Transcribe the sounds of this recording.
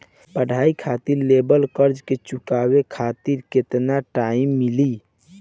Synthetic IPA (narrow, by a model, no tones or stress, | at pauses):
pəɽ̤ʱaikʰat̪iɾlebəlkəɾd͡ʒket͡ʃukabekʰat̪iɾket̪naʈaimːili